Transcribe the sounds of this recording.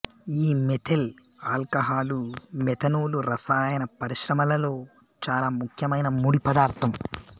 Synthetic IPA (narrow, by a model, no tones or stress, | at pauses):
iːmet̪ʰel | aːlkɐɦaːlumɛt̪ʰɐnuːluɾɐsaːjɐnɐpɐɾiʃɾɐmɐlɐlo̞ː | t͡ʃaːlaːmukʰjɐmɐjnɐmuɽipɐd̪aːɾt̪ʰɐm